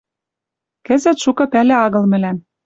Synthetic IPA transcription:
kɘ̆zɘ̆t̪ʃukɤ̆pælĕɑɣɤ̆lmɘ̆læm

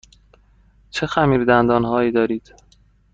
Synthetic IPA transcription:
t͡ʃʰe̞xæmiːɾd̪ænd̪ɒːnɦɒːiːd̪ɒːɾiːd̪̥

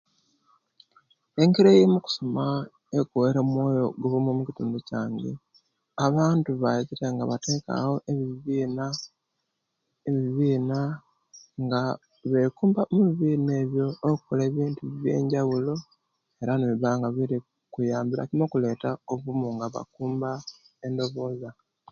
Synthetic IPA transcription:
e̞ŋkiɾejemuku̥so̞ma | ekoweɾemwo̞ːjo̞̰ɡoβumomuci̥tuːmducaːŋɡḛ | aβaːntuβaiciteŋɡaβate̞ːka̰ho̞ʔeββina | βiβiːna | ŋɡa | βe̞kuːmbamuβiβiːne̞ːβjo̞ːku̥kole̞ːβiːntuβje̞̰ːɲɟawulo̞ | e̞ɾaneβiβaːŋɡaβiɾi | kujaːmbiɾa̰kimokule̞ːtaoβumuŋɡaβa̰kuːmba | e̞ndo̞βo̞ːza

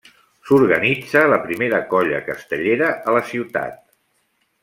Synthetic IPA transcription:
suɾɣənid͡zələpɾimeɾəkɔʎə̰kəst̪əʎeɾəʔələsiwt̪a̰t̪̚

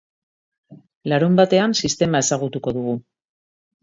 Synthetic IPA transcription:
laɾumbat̪e̞ansist̪e̞mae̞saɣ̞ut̪uko̞ðuɣ̞u

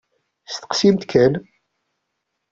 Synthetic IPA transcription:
st̪ə̥qsimt̪kʰæn

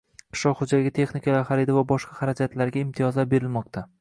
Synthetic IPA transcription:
qʰɨ̥ʃlɒqhod͡ʒaɡʲat̪ʰe̞χnikʰʲalaɾχaɾɪd̪avabɒʃqɑhaɾad͡ʒat̪laɾɡʲaɪmt̪ʰijɒzlaɾbe̞ɾɪlmɒq̚t̪ʰa

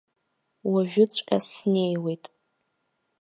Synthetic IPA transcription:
waʒᶣʊt͡sʷʰʼqʲʼa̰sne̞jwe̞jtʼ

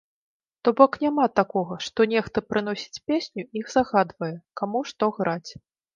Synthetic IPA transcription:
t̪ɔbɔknʲamat̪akɔɣɐʂt̪ɔnʲɛxt̪ɐpɾɨn̪ɔsʲi̥t͡sʲpʲesʲnʲuixzaɣad̪vɐjɛkamuʂt̪ɔɣɾat͡sʲ

